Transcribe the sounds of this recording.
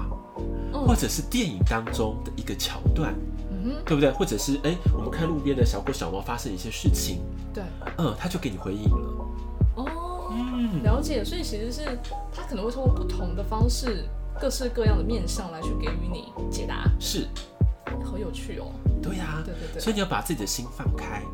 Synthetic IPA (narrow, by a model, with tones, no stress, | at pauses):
ɔ˥˩xwɔ˥˩ʈ͡ʂɤ˨˩ʂɻ̩˥˧t̪jɛ˥˩ni˨˩ŋt̪ɑ˥ŋʈ͡ʂʊ˦ŋd̪ə˨ʔi˧˥ɡə˧t͡ɕʰjɑ˨˥ʊt̪wa̰˥˩n | m̩˧˩˥t̪we˥˧˩bu˩t̪wxwɔ˥˩ʈ͡ʂɤ˨˩ʂɻ̩˥˩ʔe˥ɪwɔ˨˩mə˦nkʰa˥˧ɪlu˥˨pjɛ˥nd̪ə˨˩ɕjɑ˨˩ʊkwɔ˥ɕjɑ̰˨˩ʊwɑ˥˩fa˥ʂə˥˧ŋi˥˧ɕjɛ˥ʂɻ̩˥˩t͡ɕʰḭ˨˩ŋ | t̪we˥˩ɪ | ə˥˧t̪ʰa˥t͡ɕjo˥˩ʊke˥ni˨xwe˧˥ɪi˥˩ŋlə̰˩ | ɔ˥˩ | n̩˥˩ljɑ˧˥ʊt͡ɕjɛ˨˩swi˨˩t͡ɕʰi˧˥ʂɻ̩˧˥ʂɻ̩˥˩ | t̪ʰa˥kʰə˨˩ə˧˦ŋwe˥˧˥kpu˥˩t̪ʰʊ˧˥ŋd̪ə˨fɑ˥ŋʂɻ̩˥˩ | kɤ˥˧ʂɻ̩˥˧kɤ˥˧jɑ˥˩ŋd̪ə˩mjɛ˥˧nɕjɑ˥˩ŋla˧˥ɪt͡ɕʰy˥˩ke˧˩ɪy˧˥˦nḭ˨˩˦t͡ɕjɛ˨˩t̪a̰˧˥˦ʂɻ̩˥˩ | xə˧˦jo˨˩ʊt͡ɕʰy˥˩ɔ̰˨˩t̪we˥˩ɪa˨˥˧swɔ˧˥i˨ni˨jpa˨˩t͡sɹ̩˥˩t͡ɕi˨d̪ə˦ɕi˦˥nfɑ˥˩nkʰa˥ɪ